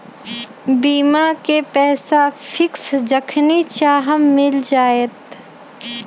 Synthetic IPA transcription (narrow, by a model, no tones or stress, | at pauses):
biːmakepɛːsafʰɪksd͡ʒəkʰnit͡ʃaːɦəmːɪld͡ʒaːeːt̪